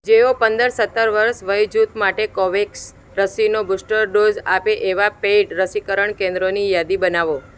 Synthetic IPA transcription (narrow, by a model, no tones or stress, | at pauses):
d͡ʒeopənd̪əɾsət̪ːəɾʋəɾsʋəjd͡ʒut̪maʈekɔʋeks | ɾəsinobusʈəɾɖod͡ʒapeʔeʋapeʈɾəsikəɾəɳkẽnd̪ɾonijad̪ibənaʋo